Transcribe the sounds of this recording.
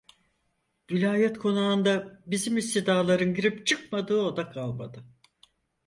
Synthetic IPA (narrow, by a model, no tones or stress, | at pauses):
vilʲaːjɛt̪kʰo̞nuaːnd̪abizimist̪id̪aːlˠaɾɯnɟiɾipt͡ʃʰɯk̚mad̪ɯːo̞d̪akʰalˠma̰d̪ɯ